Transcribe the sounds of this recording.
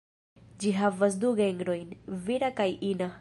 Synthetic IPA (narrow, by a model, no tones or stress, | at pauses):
d͡ʒiɦavas̬duɡeŋɡɾo̞jnviɾakajʔina